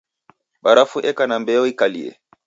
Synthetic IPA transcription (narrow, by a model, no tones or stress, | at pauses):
ɓaɾafuʔɛkanambɛɔikaliɛ̰